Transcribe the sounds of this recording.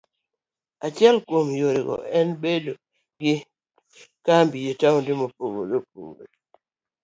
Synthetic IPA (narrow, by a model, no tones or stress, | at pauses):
at͡ʃɪɛlkwomjoɾɪɡɔ̰ɛnbedo | ɡɪ | kambijetaudɪmopoɡo̰dop̚ṵŋo̰